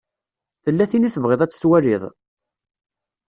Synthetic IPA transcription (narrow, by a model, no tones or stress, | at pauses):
θəlːæθiniθəvʁɪðˤæt͡sːə̥θwæɾɪðˤ